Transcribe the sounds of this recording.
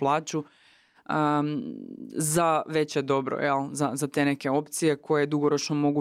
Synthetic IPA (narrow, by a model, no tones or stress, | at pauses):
plˠaːt͡ɕu | ə | zaʋe̞t͡ɕed̪o̞bɾo̰jɛlˠzazat̪e̞ːne̞ke̞o̞pt̪sije̞kʰo̞jed̪uɡo̞ɾo̞t͡ʃnomo̞ɡu